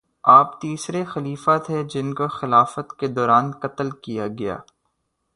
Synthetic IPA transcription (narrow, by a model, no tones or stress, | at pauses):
aːpt̪iːsɾexɐliːfat̪ʰɦed͡ʒɪnkoxɪlaːfət̪ked̪ɔːɾaːnkɐt̪əlkijaɡɐja̰ː